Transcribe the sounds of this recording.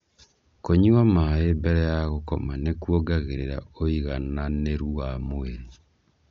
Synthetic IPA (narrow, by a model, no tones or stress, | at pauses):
koɲuamaebɛɾɛjaɣokɔ̰manekwoɡaɣeɾeɾa̰oiɣananeɾuwamoeɾe